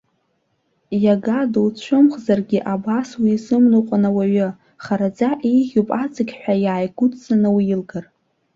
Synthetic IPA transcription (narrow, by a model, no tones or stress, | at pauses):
jaɡadowt͡ɕʷʰʊmχzarɡʲiʔabaswiːzɨmnuqʷʼanawaɥʊ | χaɾad͡zaʔiʁʲupʼat͡sʼɨɡʲħʷᶣajaːjɡʷʊtʼzanɨwijilɡar